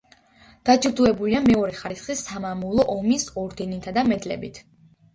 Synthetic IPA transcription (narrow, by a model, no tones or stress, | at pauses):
d̪̥at͡ʃʼiɾd̪uɛbuliamɛɔɾɛχaɾisχisːamamulˠɔʔɔmisɔɾd̪ɛnit̪ʰad̪amɛd̪lɛ̰bit̪ʰ